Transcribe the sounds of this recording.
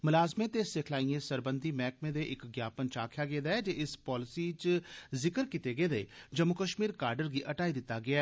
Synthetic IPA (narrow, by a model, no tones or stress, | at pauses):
mʊlaːzmẽːt̪eːsɪkʰlaːiẽːsəɾbənd̪iːmɛːkmẽːd̪eːʔɪkɡjaːpənt͡ʃaːkʰjaːɡeːd̪aːɛːd͡ʒeːɪspɔːlɪsiːt͡ʃzɪkəɾkit̪eːɡeːd̪eːd͡ʒəmʊkəʃmiːɾkaːɾɖəɾɡiːʔəʈaːiːd̪ɪt̪ːaːɡɪaː